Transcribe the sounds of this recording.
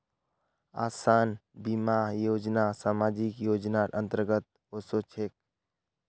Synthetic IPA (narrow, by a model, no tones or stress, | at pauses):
a̰ːsaːnbimajoːd͡ʒnasaːmaːd͡ʒikjoːd͡ʒnaʔə̃nt̪əɾɡət̪̚ | osoːt͡ʃʰeːk̚